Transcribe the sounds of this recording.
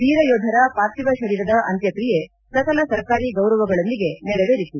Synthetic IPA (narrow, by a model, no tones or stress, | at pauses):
d̪iːɾɐjoːd̪ʱɐɾɐpaːɾt̪iʋɐʃɐɾiːɾɐd̪ɐʔɐnt̪jɐkɾije | sɐkɐlɐsɐɾkaːɾiɡɐwɾɐʋɐɡɐɭond̪iɡe̞nɛɽeʋeɾit̪u